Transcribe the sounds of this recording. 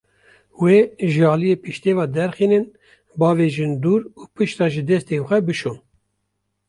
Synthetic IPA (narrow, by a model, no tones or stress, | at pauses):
weːʒɨɑːlijeːpɨʃt̪eːvɑːd̪ɛɾxiːnɨn | bɑːveːʒɨnd̪uːɾuːpɨʃt̪ɑːʒɨd̪ɛst̪eːxʷɛbɨʃun